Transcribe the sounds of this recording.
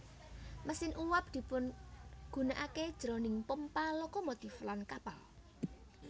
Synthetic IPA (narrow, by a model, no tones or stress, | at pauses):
məsɪnʔuwap̚d̪̥i̤pʊnɡ̥ṳnaʔaked̥ʒ̥ɾɔ̤nɪŋpəmpalokɔmot̪iflankapa̰l